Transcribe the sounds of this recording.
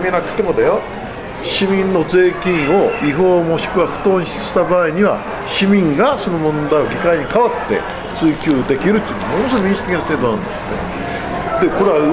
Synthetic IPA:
mʲinakʰḁk̪emod̪ajo | ɕimʲĩnno̞d͡ze̞ːkʲĩɰ̃o̞iɦo̞ːmo̞ɕi̥kɯ̟βaɸɯ̟̥t̪oːɲiɕi̥st̪abaːiɲ̟iβa̰ | ɕimʲĩŋɡaso̞no̞mõ̞nd̪aio̞ɡʲikaiɲ̟ikaβat̪ːe̞̰ | t͡sɨːkʲoːd̪e̞kʲiɾɯ̟t̪ːinmonos̬ɾomʲĩsi̥k̪ekʲinaseːd̪onã̰nd̪ese | d̪eko̞ɾeβa

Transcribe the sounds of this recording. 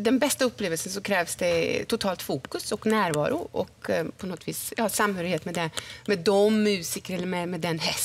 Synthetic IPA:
d̪ɛnbɛst̪əɵpːleːʋəlsənsɔkʰɾɛːʋsd̪ɛt̪ʰʊt̪ʰɑːlt̪fuːkʉsɔknæːɾvɑ̰ːɾʊ̰ʔɔ̰kpʰɔnɔt̪ʰːʋiːsjɑːsɑmːhøːɾɪheːt̪mɛd̪ɛmɛd̪ɔmːʉːsɪkəɾɛlːəɾmɛmɛd̪ɛnɦɛs

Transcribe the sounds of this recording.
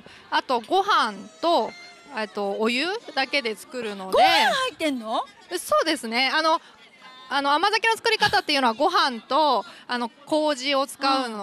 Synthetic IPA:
at̪o̞ɡo̞ɦãnt̪o̞ | et̪ːo̞ːjɯ̟d̪ake̞d̪e̞t͡sɨ̥kɯ̟ɾɯ̟no̞ɡd̪eãhait̪ẽnːo | so̞ːd̪e̞sɨne̞ano̞ | anoamazakʲino̞t͡sɨ̥kɯ̟ɾʲikat̪at̪ːeiɯ̟no̞βaɡo̞ɦãnt̪o̞ano̞ko̞ːʑio̞t͡sɨ̥kaɯn

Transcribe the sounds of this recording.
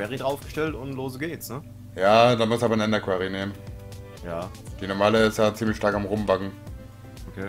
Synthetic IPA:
vɛːʁidʁaʊfɡ̥əʃtɛltʊnloːzəɡeːtsnə | jaːdaːmʊstaːbɐnɛndɐkʰwɛʁineːmən | jaː | d̥iːnɔɐmaːləɪstjaːt͡siːmlɪçʃtaɐkamʁʊmbakŋ̩ | okʰeː

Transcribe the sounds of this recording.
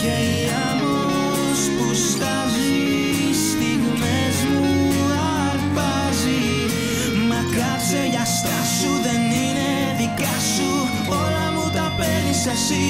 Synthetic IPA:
kei | amo | spust̪az | i | st̪inumezmu | a | ɾpa | zi | makaɾseʝast̪asuðenine | ðikasu | ɔlamut̪apɛnsasi

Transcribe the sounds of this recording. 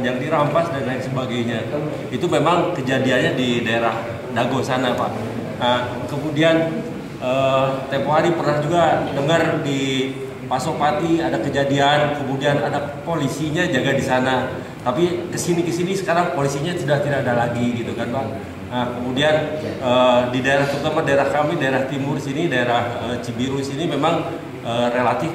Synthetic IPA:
d͡ʒaŋdiɾampasdanlaɪnsəbaɡajɲa | it̪umemaŋkəd͡ʒadianɲadidaeɾah | daɡosanapa̰ʔ | ə | kəmudian | ət̪ɛmpoɦaɾipərnahd͡ʒuɡadəŋərdi | pasok̚pat̪iadakəd͡ʒadiankəmudianadapolisiɲad͡ʒaɡadisana | t̪apikəsinikəsinisə̥kaɾaŋpolisiɲasudaht̪idakadalaɡiɡit̪ukanka | akəmudianədidaeɾaht̪ərt̪əmardaeɾahkamidaeɾaht̪imʊrisinidaeɾahət͡ʃibiɾuisinimemaŋ | əːrelat̪ɪf

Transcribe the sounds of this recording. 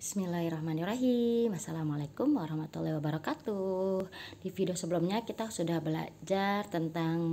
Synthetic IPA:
bismilahɾɔhmaniraɦimasalamalakʊmwaɾahmat̪ulːahwabaɾɑkat̪uhdifidiosəbəlumɲakit̪asudahbəla̰d͡ʒart̪ənt̪aŋ

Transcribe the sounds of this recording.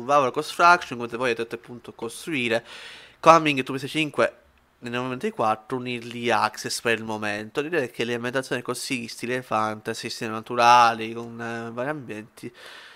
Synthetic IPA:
uvaːvolakosfɾakt͡ʃonkomet̪evɔjat̪ɛt̪ːeapːunt̪oakːost̪ɾuiːɾekamiŋɡt̪ːupːes̬it͡ʃiŋkwe | nenːovement̪oikwat̪ːɾouniɾliaksespeɾilmomɛnt̪olɾɛd̪ɛkʰːeleambent̪at̪sjoːniɛkosist̪ilefant̪easist̪ɛmanat̪uɾaːlikonvaːɾjiambjɛnt̪ʰi

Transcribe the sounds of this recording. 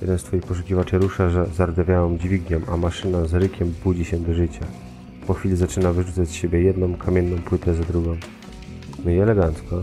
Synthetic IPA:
jɛ̰d̪ɛnst̪fɔjixpɔʂ̬ukʲivat͡ʂɛɾuʂaʐɛzaɾd̪avʲjajɔ̃md͡ʑvʲiɡɲɔmʔamaʂɘnazɾɘkʲɛmbud͡ʑiɕɛd̪ɔʐɘt͡ɕa | pɔxʲfʲilʲizat͡ʂɘnavɘʐut̪sat͡ɕsɕebʲjɛjɛd̪nɔ̃w̃kʰamʲjɛnːɔ̃w̃pwɘt̪ɛzad̪ɾuɡɔ̃w̃ | miɛlɛɡant̪skɔ

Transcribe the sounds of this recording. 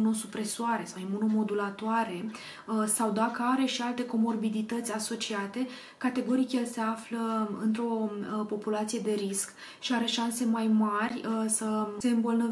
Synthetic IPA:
uno̞supɾe̞suaɾe̞sajmunomo̞d̪ulat̪oaɾe̞ | sawd̪akəaɾe̞ʃialt̪e̞ko̞mo̞rbid̪it̪ət̪sʲaso̞t͡ʃiat̪e̞ | kat̪e̞ɡo̞ɾikʲelse̞afləɨnt̪ɾo̞po̞pulat̪sije̞d̪e̞ɾisk | ʃiaɾe̞ʃanse̞majmarʲsəse̞ɨmbolnə

